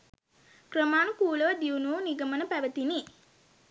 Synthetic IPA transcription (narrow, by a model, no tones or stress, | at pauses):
krəmaːnukuːləʋəd̪iunuːniɡəmənəpæʋət̪ini